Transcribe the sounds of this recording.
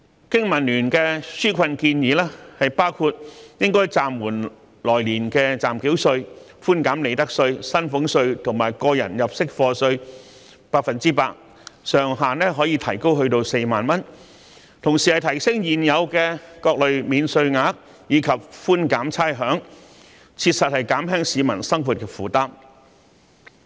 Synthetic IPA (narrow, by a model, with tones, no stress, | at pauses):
kɪ˥ŋmɐ˨˩nlyː˨˩nkɛː˧syː˥kʷʰɐ˧nkiː˧njiː˨˥lɛː˥hɐ˨jpaː˥wkʰu˧t̚jɪ˥ŋkɔː˥jt͡saː˨mwuː˨˩n | lɔː˨˩jliː˨˩nkɛː˧t͡saː˨mki˨˥wsɵ˧ɥ | fuː˥nkaː˨˥mle˨˧jt̪ɐ˥k̚sɵ˧ɥsɐ˥nfʊ˨˥ŋsɵ˧ɥt̪ʰʊ˨˩ŋmaː˨˩jkɔː˧jɐ̰˨˩njɐ˨p̚sɪ˥k̚fɔː˧sɵ˧ɥ | paː˧k̚fɐ˨nt͡siː˥paː˧k̚ | sœː˨ŋɦaː˨nɛː˥ɦɔː˨˥jiː˧t̪ʰɐ˨˩jko˥wɦɵ˧ɥt̪o˧wse˧jmaː˨nmɐ˥n | t̪ʰʊ˨˩ŋsiː˨˩hɐ˨jt̪ʰɐ˨˩jsɪ˥ŋjiː˨njɐ˨˧wkɛː˧kɔː˧k̚lɵ˨ɥmiː˨˧nsɵ˧ɥŋaː˨˥k̚ | jiː˨˧kʰɐ˨p̚fuː˥nkaː˨˥mt͡sʰaː˥jɦœː˨˥ŋ | t͡sʰiː˧t̚sɐ˨t̚hɐ˨jkaː˨˥mɦɛː˥ŋsiː˨˧mɐ˨˩nsɐ˥ŋfuː˨t̚kɛː˧fuː˨t̪aː˥m